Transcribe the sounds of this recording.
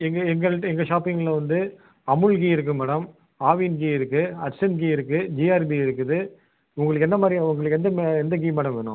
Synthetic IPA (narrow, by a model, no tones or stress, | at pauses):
ɛŋɡɐɛŋɡɐɭʈɛŋɡɐʂaːpːɪŋɡɐlɐʋɐnd̪ɯ | ɐmɯɭɡiɪɾɯk̬ːɯmɐɽɐm | aːʋinɡiɪɾɯkːɯɐɾsɐnɡiːɪɾɯkːɯd͡ʒiːaːɾbiɪɾɯkːɯðɯ | ʊŋɡɐɭɯkːɛnd̪ɐmaːd̪ɾiʊŋɡɐɭɯkːɛnd̪ɐmɛnd̪ɐɡiːmɐɽɐmʋeːnʊ̰̃